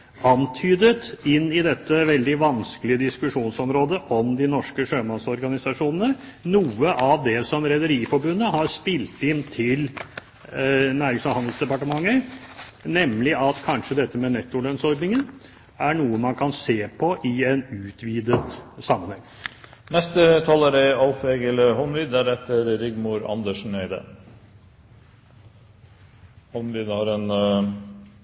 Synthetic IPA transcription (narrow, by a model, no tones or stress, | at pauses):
ɑnt̪ʰyːd̪ət̪ɪnːɪd̪ɛt̪ːəʋɛld̪ɪʋɑnskəlɪəd̪ɪskʉʂuːnsɔmɾoːd̪əʔɔmd̪ɪnɔʂkəʂøːmɑnsɔɾɡɑnɪsɑʂuːnənənuːəʔɑʋd̪ɛsɔmɾɛd̪əɾiːfɔɾbʉnːəɦɑɾspɪlt̪ɪnt̪ʰɪl | næːɾɪŋsɔhɑnd̪l̩sd̪ɛpɑʈəmɑŋːə | nɛmlɪʔɑt̪kʰɑnʂəd̪ɛt̪ːəmɛnɛt̪ːʊlœnsɔɾd̪nɪŋən | æɳuːəmɑnkʰɑnseːpʰɔʔɪɛnʉːt̪ʋiːd̪ət̪sɑmːənhɛŋː | nɛst̪ət̪ʰɑːlæɾɛɑlfeːɡəlɦɔnʋiːd̪æɾɛt̪ʰːəɾɾɪɡmʊɾɑ̰nd̪əʂn̩eɪd̪ə̰ | hɔnʋid̪hɑɾɛn